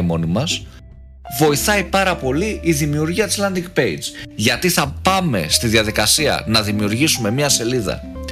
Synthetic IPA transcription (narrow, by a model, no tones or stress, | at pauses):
mo̞nimɐs | vo̞iθɐipɐɾɐpo̞liiðimiuɾʝiɐt̪i̥zlɐnd̪iɡpe̞id͡zʝɐt̪iθɐpɐme̞̰st̪iðiɐðikɐsiɐ̰nɐðimiuɾʝisume̞mɲɐse̞liðɐ̰